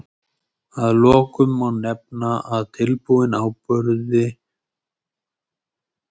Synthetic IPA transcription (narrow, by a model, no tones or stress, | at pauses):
aðlɔːkʏmːanːɛp̚naʔaðt̪ʰɪlpuɪnawpœɾðɪ